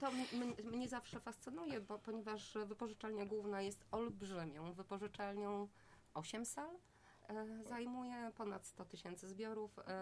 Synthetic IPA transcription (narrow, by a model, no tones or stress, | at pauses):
t̪ɔmmɲɛmɲɛzafʂɛfast̪sɘnujɛbɔpɔɲɛvaʂvɘpɔʐɘt͡ʂalɲɛɡwuvnajɛst̪ɔlbʐɘmʲjɔ̃w̃vɘpɔʐɘt͡ʂalɲɔ̃w̃ | ʔɔɕɛmsal | zajmujɛpɔnat̪st̪ɔt̪ɘɕɛnt̪sɘzbʲjɔɾuf